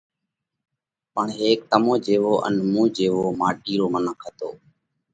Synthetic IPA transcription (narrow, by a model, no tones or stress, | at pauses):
pəɳɦeːk̚t̪əmõːd͡ʒeːʋoːʔə̰nmũːd͡ʒeːʋoːmaːʈiːɾoːmənəkʰət̪o̰ː